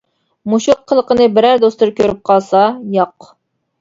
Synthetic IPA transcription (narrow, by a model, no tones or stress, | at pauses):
muʃʊqʰːəlˠəqənɨbɪɾæɾd̪ost̪ɨɾkʲʰøɾyp̚qʰɑlˠsɑjɑq